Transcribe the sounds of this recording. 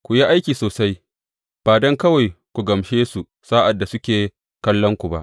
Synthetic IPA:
kʷu˨ji˦ʔa˦jkʲiː˨soː˨sa˦j | b̥aː˨dɔ˦ŋkɐ˦wa˨jkʷu˨ɡɐ˨mʃeː˦su˨ | saː˦ʔa˨dːa˨sʊ˦kʲeː˨ | kɐ˦lːɔ˦ŋkʷu˨ba˦ʔ

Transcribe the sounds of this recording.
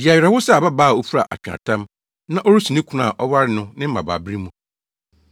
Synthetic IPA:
di˨a˨ɥɾɛ˨wʊ˦sɛ˦˨ba˦baː˦˨o˦fu˦ɾa̰˨ʔa̰˨t͡ɕᶣã̰˨tʰã˦m | nã˦ʔɔ˦ɾu˦su˨nɪ̃˦kʰʊ˨nã̰˦˨ʔɔ˦wa˦ɾɪ˦nʊ̃˦nɪ̃˦m̩˦mã̰˨ba̰ː˨bɪ˦ɾi˦mũ˨

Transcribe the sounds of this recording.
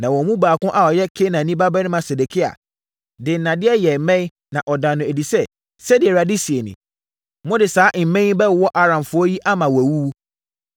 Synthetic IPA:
nã˨wɔ̃˨˦mũ˦baː˨kʊ̃˦ʔa˨ɔ˨jɛ˦kʰe˦nã˨nĩ˦ba˦bɛ˦nɪ̃˦mã˨se˨de˨kʰi˦a̰˨ | dɪ˨n˨nã˨dɪ˦ɛ˦jɛ˨˦mɛ̃˦ | nã˨ʔɔ˨dã˨nʊ̃˨e˨di˨sɛ˦ | sɛ˦dɪ˨ɛ˨ɾa˨di˦si˨e˨nɪ̰̃˨ | mʊ̃˦dɪ˨saː˨˦ʔm̩˨mɛ̃˦ĩ˦bɛ˦˨wɔ˦ʔa˦ɾã˨mfʊ˦ɔ˦ji˦ʔa˦mã˨wæ˨wu˦wu˦

